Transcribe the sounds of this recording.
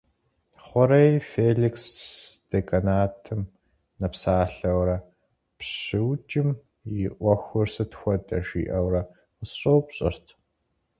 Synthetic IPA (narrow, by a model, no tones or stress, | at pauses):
χʷɔɾɐjfeːɮiksd̥ekʰʼɐnaːtʰɨm | nɐpsaːɬɐwɾɐ | pɕɪwd͡ʒʼɪm | jɪʔʷɔxʷʊrsɨtxʷɔdʼɐʃḭːʔɐwrɐ | əsɕʼowpɕʼɪ̰rtʰ